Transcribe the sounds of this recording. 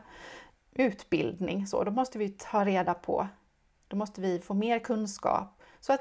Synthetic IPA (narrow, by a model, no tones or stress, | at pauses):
ʉ̟ːt̪bɪ̰ld̪nɪ̰ŋso̰ːd̪ɔmɔst̪əvɪɑːɾeːd̪apʰɔ̰ | d̪̥ɔmɔst̪əvɪfoːmeːɾkʰɵnskɑ̰ːp | sɔat̪